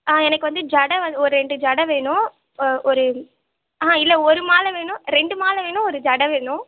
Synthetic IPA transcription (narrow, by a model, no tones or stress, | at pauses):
aːɛnɐkːɯʋɐnd̪ɯd͡ʒɐɽɐʋɐnd̪ɔɾɯɾɛɳɖɯd͡ʒɐɽɐʋeːɳʊ̃ | ʔɔɾɯ | aːɪlːɐɔɾɯmaːlʋeːɳʊ̃ɾɛɳɖɯmaːlɐʋeːɳʊ̃ɔɾɯd͡ʒɐɽɐʋeːɳʊ̃